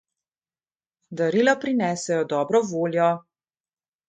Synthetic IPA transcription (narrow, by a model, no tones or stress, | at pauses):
d̪aɾilɔpɾinɛːsɛjɔd̪ɔːbɾɔvoːljɔ